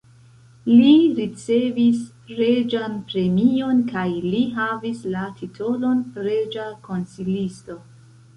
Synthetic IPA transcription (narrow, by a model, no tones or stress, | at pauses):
liɾit͡se̞vispɾe̞d͡ʒanpɾe̞mio̞nkajliɦavislatʰitʰo̞lo̞npɾe̞d͡ʒako̞nsilisto̞